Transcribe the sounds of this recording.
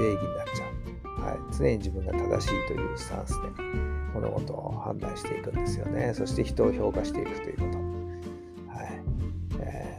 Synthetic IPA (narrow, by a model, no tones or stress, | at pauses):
e̞ːɡʲiɲ̟inat͡ɕaɯ | ha̰it͡sɨnẽ̞ɲ̟id͡ʑibɯ̟̃ŋɡat̪ad̪a̰ɕiːt̪o̞̰jɯ̟ːsɨ̥t̪ã̰ɰ̃sɨ̥d̪emono̰ɡo̞̰t̪o̞hã̰nd̪aĩɕi̥t̪e̞ikɯ̟̃nd̪esɨjo̞neso̞ɕi̥t̪e̞çi̥t̪o̞ːço̞ːkaɕi̥t̪e̞ikɯ̟̥t̪o̞jɯ̟ko̞t̪o̞ | hai | e